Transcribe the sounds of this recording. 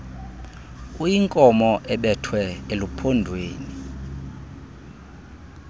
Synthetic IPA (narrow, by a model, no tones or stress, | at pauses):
ujiŋkʼɔmɔʔɛɓɛtʰwɛelupʰɔndʱweːni